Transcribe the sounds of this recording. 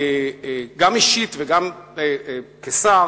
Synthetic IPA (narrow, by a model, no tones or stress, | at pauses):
ɡamiʃit̪veɡam | kesa